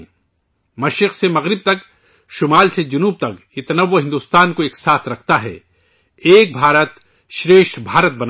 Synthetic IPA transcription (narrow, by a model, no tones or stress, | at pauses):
mɐʃɾɪqsemɐɣɾɪb̚t̪ɐk | ʃʊmaːlsed͡ʒʊnuːb̚t̪ɐkjɪt̪ɐnɐʋːoɦɪ̃nd̪uːst̪aːnkoeːksaːt̪ʰɾɐkʰt̪aɦɛ̰ː | eːk̚bʱaːɾət̪ | ʃɾeːʃʈbʱaːɾət̪̚bɐn